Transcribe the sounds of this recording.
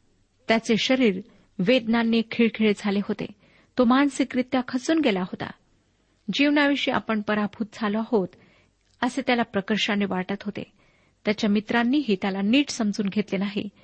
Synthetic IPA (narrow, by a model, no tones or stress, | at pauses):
t̪jat͡seɕəɾiːɾ | ʋed̪nanːikʰiːɭkʰiɭed͡zʱaleɦot̪ḛ | t̪omansikɾit̪jakʰət͡suːnɡelaɦot̪a̰ | d͡ʑiʋnaʋeɕiːʔa̰pəɳpəɾabʱuːt̪̚d͡zʱalɔɦot̪ | əset̪jalapɾəkəɾɕaneʋaɾʈət̪ɦot̪ḛ | t̪jat͡ɕjamit̪ɾanːiːɦiːt̪jalaniːʈsəmd͡zuːnɡʱet̪lenaɦḭ